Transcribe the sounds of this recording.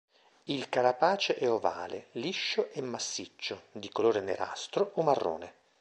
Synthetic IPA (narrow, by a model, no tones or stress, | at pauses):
ilkaɾapaːt͡ʃeʔɛova̰ːlḛliʃːoʔemːasːit͡ʃːod̪ikoloːɾenḛɾa̰st̪ɾoomarːo̰ːne